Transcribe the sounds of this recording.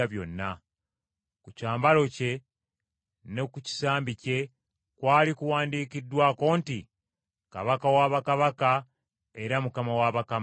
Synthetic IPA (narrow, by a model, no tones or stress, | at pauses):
aβjo̞̰nːa | kucaːmbalo̞ce̞ | ne̞kuci̥saːmbice̞ | kwaːlikuwaːndiːkidːwako̞ːnti | ka̰βakawaβakaβaka | e̞ɾamukamawaβakam